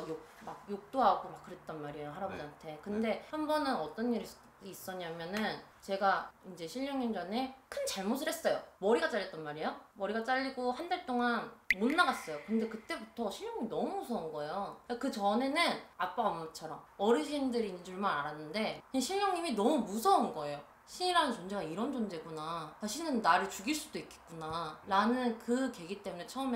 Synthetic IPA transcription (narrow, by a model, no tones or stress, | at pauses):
jok̚ | mak̚jok̚t͈oɦaɡomak͈ːɯɾe̞t̚t͈ʌnmaɾijoɦaɾabantʰe̞kɯnde̞hambʌnɯnʌt͈ʌnːiɾis͈ | dois͈ʌɲamjʌnɯn | t͡ɕe̞ɡaind͡ʑe̞ɕʰiʎɲʌŋɲimd͡ʑʌne̞kʰɯnt͡ɕaɭmosʰɯɾɦes͈ʌjomʌɾiɡat͡ɕ͈aʎːjʌt͈̚ʌnmaɾijomʌɾiɡat͡ɕ͈aʎːiɡohandaɭt͈oŋanmonːaɡas͈ʌjokɯnde̞kɯt͈e̞butʰʌɕʰiʎɲoŋɲiminʌmusʰʌnɡʌejoakɯt͡ɕʌne̞nɯnak̚p͈aɡammat͡ɕʰʌɾʌm | ʌɾiɕ̬ʰimdɯɾind͡ʑuɭmaɾaɾanːɯnde̞ɕʰiʎɲʌŋɲiminʌmumusʰʌunɡʌe̞jo | ɕʰiɲiɾanɯnt͡ɕond͡ʑeɡaiɾʌnd͡ʑond͡ʑe̞ɡunat͡ɕaɕʰinɯnːaɾɯɭt͡ɕuɡiɭs͈udoik͈e̥t̚k͈unaɾanɯnkɯke̞ɡit͈e̞mune̞t͡ɕʰʌɯme